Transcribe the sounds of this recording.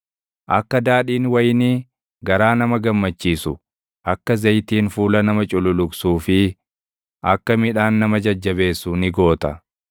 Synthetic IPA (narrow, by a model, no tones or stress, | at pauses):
ʔɐkːɐd̪aːᶑiːnwɐjniː | ɡɐɾaːnɐmɐɡɐmːɐt͡ʃːiːsʊ | ʔɐkːɐzɐjt̪iːnfuːlɐnɐmɐt͡ʃʼʊlʊlʊɡsuːfɪ | ʔɐkːɐmɪᶑaːnːɐmɐd͡ʒɐd͡ʒːɐβe̞ːsːʊnɪɡo̞ːt̪ɐ